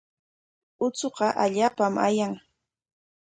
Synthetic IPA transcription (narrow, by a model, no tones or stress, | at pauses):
ʊt͡soqɑʔaʎaːpamʔa̰jaŋ